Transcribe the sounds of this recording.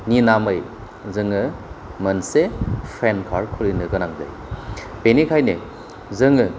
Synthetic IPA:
ninamɯj | zɯŋɯmɐnsepʰɾenkʰaɾkʰɯlinɯɡɯnaŋza̰j | benikʰajne | zɯŋɯ

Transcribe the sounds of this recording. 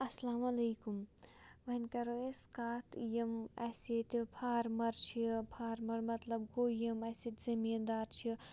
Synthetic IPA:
ɐslaːmɐleːkumʋɐnkɐɾoeskaːt̪jimɐset̪ipʰaːɾmɐɾt͡ʃʰipʰaːɾmɐɾmɐt̪lɐbɡoːjimɐset̪zɐmiːnd̪aːɾt͡ʃʰi

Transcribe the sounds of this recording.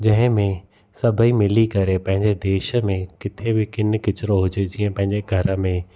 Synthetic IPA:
d͡ʑɐ̃ɦɪ̃mẽ | sɐbʱəimɪlikɐɾepɐ̃ɦɪ̃ɲd͡ʑed̪eːʃəmẽkɪt̪ʰebɪkɪnɪ̆kɪt͡ɕɪɾoɦʊd͡ʑed͡ʑiːə̃pɐ̃ɦɪ̃ɲd͡ʑeɡʱɐɾə̆mẽ

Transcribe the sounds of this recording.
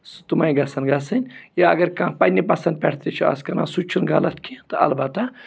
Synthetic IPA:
st̪umɐj̃ɡɐsɐnɡasɨnʲjaɐ̰ɡɐɾkãpɐnʲipɐsɐnd̪̚pʲɛɽt̪it͡ʃʰuɐ̰skɐnã̰ːsut͡ʃʰunɡa̰lɐt̪kʰit̪ɨɐ̰lbɐt̪ɐ

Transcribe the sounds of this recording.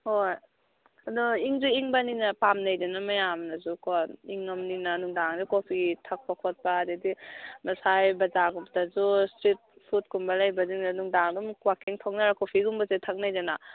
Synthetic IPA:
hoj | ɐduiŋzuiŋbaninapamnajdanamɐjamnɐzukoiŋɐmninanuŋdaŋdikopʰitʰɐk̚pakʰɔt̚paːdedimɐsajbɐzaɡup̚tɐzustɾit̚pʰut̚kumbɐlajbɐziŋnanuŋdaŋdumkwakeŋtʰɔk̚naɾakopʰiɡumbɐzetʰak̚najdana

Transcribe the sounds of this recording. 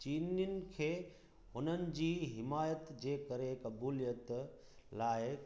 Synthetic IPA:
t͡ɕiːnijənɪ̆kʰeː | ʊn̤ənɪ̆d͡ʑiːɦɪmaːjət̪d͡ʑeːkɐɾekɐbuːlijət̪ | laːɪ

